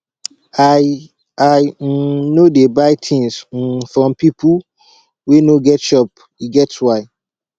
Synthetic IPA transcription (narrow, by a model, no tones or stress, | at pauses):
aj̩nodebaɪtʰĩŋs̩fɹɔ̃mpipu | wenoɡɛtʃɔp̚ | iɡɛtswaɪ